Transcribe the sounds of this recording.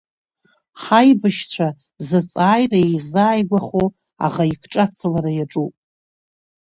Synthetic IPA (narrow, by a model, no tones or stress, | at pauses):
ħajbɨʃt͡ɕʷʰa | zat͡sʼaːjraejzaːjɡʷaχo | a̰ʁaikʰʈ͡ʂʼat͡sʰɨlaɾajaʈ͡ʂʼupʼ